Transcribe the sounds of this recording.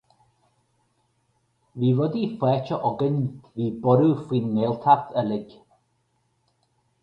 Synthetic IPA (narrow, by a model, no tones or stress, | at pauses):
viːvɔdifwɛːt͡ʃʰɔʔɔɡəndviːbɔɾufwinːeːlˠtʰaθʰəlɪɡ